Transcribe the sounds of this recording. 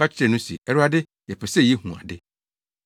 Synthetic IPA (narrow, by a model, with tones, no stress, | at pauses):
a˦t͡ɕʰɪ˦ɛ˨nʊ̃˦sḭ˨ɛ˦ɾʊ˦a˦dɪ˦ | jɛ˨pʰɛ˨sɛ˦jɛ˦hũ˨a̰˨dɪ˦